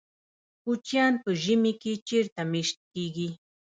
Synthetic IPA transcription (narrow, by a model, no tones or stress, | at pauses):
kʊt͡ʃjant̪ʊʒɪmɪkɪt͡ʃɪɾt̪amɪʃt̪kɪjkɪ